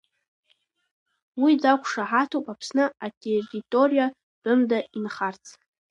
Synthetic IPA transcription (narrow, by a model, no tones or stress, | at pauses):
wid͡zakʷʰʂaħatʰopʼapʰsnɨatʼʰeritʼoɾija | d̥ɨmdainχart͡sʰʼ